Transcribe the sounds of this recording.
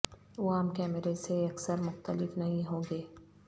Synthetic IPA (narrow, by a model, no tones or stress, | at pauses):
ɐwaːmkɛːmeɾeseɐksəɾmʊxt̪əlɪfnɐɦĩɦoːɡeː